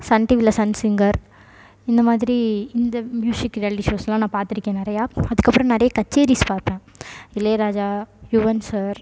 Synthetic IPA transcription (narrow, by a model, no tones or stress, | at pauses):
sɐɳʈiʋɪlːɐsɐnsɪŋɡɐɾ | ɪnd̪ɐmaːðɪɾiɪnd̪ɐmjuːsɪkːɾijaːlɪʈiʂoːsɛlːãːnãːpaːɾt̪ɪɾɪkːẽːnɪɾɐjaːɐðɯkːɐpːɯɾɐ̃nɛɾɐjɐkɐt͡ʃːeːɾispaːɾp̪ẽːɪleːɾaːd͡ʒaːjʊʋɐnsɐɾ